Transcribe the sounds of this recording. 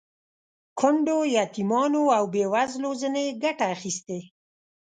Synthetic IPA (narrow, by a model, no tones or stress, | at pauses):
kʰʊɳɖojɑt̪imɑnoawbewazlozəneɡaʈaːxist̪e